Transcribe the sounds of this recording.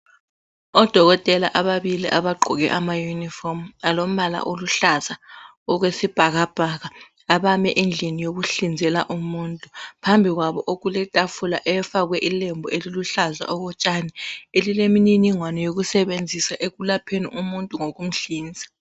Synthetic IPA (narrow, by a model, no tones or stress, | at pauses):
ɔd̥ʱɔɣɔtʼɛlaʔaβaβiliʔaβaɡ͡ǃʱɔɣɛ̰ʔamajunifɔmalom̩ala̰ʔoluɬaza | ɔɣwesib̥ʱaɣab̥ʱaɣaː | βamɛ̰ʔend͡ɮʱinijoɣuɬind͡zʱɛlaʔumuːntʼupʰambʱiɣwaβɔʔoɣulɛtʼafulaʔɛfaɣwɛʔilembʱɔeliluɬaza̰ʔɔɣɔt͡ʃʼanɛelilemininiŋwanɔjoɣusɛβend͡zʱisaʔeɣulapʰenḭʔumuntʼuŋoɣum̩ɬiːnd͡zʱḁ